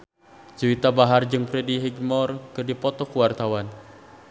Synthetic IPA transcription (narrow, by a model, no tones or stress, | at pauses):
d͡ʒəwit̪abaɦard͡ʒɨŋpɾɛdiɦiɡmɔrkɨrdipɔt̪ɔkuwart̪awan